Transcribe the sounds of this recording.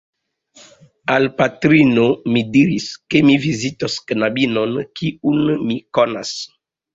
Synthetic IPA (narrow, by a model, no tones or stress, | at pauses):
alpatɾinomidiɾiskemivizitosknabinonkiunmikona̰s